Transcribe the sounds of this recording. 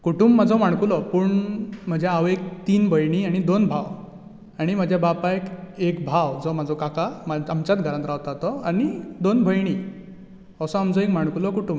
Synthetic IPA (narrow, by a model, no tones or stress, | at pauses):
kuʈuːmbːad͡zʱɔmaɳ̃kulɔpuːɳm̤əd͡ʑʱjaaʋek̚t̪iːnbʱəjɳ̃iaɽ̃id̪onbʱaw | aɽ̃im̤əd͡ʑʱjabapaekekbʱawd͡zɔmad͡zʱɔkakamaamt͡ɕat̪̚ɡʱəɾãnt̪ɾaʋt̪at̪ɔanid̪onbʱəjɳ̃i | ɔsɔamd͡zɔekm̤aɳ̃kulɔkuʈuːm